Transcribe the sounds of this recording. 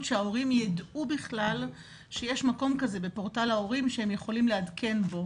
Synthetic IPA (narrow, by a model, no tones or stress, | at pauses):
tʃeao̞ʁimjadubiχlal | ʃe̞jeʃmako̞mkaze̞be̞po̞ʁtalao̞ʁimʃehemjeχo̞limleadkʰe̞nbo̞